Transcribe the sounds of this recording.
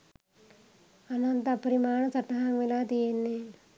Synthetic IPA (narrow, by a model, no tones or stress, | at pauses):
ɐnɐnt̪ɐpɐɾimaːɳɐt͡sɐʈːɐɦamʋilaːt̪ijenːe